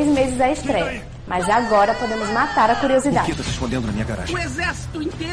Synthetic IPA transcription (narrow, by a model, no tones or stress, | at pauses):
jzmezɪzaest̪ɾɛjɐ | mɐzaɡɔɾɐpod̪ẽmʊzmat̪aɾɐkuɾiozid̪aewt̪oʁeʃpõnd̪ẽnd̪nɐmĩɲɐɡaɾa̰ʒ̃ezɛɾsi̥t̪uĩt̪e